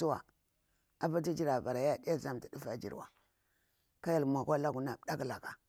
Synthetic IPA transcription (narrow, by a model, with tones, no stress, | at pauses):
u˦wa̰˨ | a˨ba˦ti˦d͡ʒi˦ɾa˨va˨ɾa˨ja˦˨di˦a˦za˦m˨ti˨du˦fa˦˨d͡ʒḭ˨ɾwa̰˨ | ka˦ja˦˨lmʷa˨kʷa˦la˦ɡu˨na˨˦ɗa˦kla˨ka˨